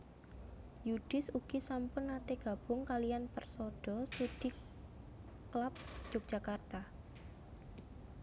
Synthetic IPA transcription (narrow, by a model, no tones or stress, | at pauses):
jud̥ɪsuɡ̥isampʊnat̪eɡ̥a̤b̥ʊŋkalijanpərsoɖ̥ɔst̪ud̥i | klap̚d̥d͡ʒ̥ʊk̚ʒ̥a̤kart̪a